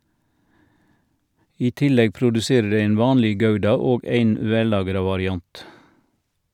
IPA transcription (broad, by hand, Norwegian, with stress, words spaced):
ˈiː ˈtɪˌlɛɡ pɾʊdʉˈseːɾə ˈdæɪ ˈæɪn ˈʋɑːnlɛ ˈɡɑʉdɑ ˈoːɡ ˈæɪn ˈʋɛˌlɑːɡɾɑ ʋɑɾɪˈɑnt